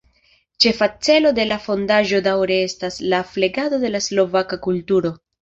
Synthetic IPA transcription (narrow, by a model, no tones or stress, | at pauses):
t͡ʃe̞fat͡se̞lo̞de̞lafo̞ndaʒo̞dawɾe̞e̞staslafle̞ɡado̞de̞laslo̞vakakultuɾo̞